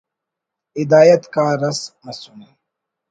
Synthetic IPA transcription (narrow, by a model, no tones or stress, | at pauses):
ɪd̪aːjɐt̪kaːɾɐsmɐsune